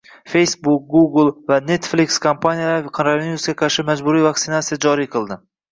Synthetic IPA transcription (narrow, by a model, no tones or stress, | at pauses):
fe̞jsbuk̚ɡuɡlˠvane̞t̪flikʲskʰompʰanijalaɾqʰɑnɾaveniusɡʲaqʰɑɾʃɪmad͡ʒbʊɾijvak̚ʲt̪sɪnat̪sijad͡ʒɒɾijqʰɨlˠd̪ɪ